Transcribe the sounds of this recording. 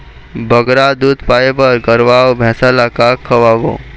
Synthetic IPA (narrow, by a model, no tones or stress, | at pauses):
bʱəɡɾad̪uːd̪pajebəɾɡəɾʋaːwbʱɛ̃ːsalakakʰəʋaʋo̰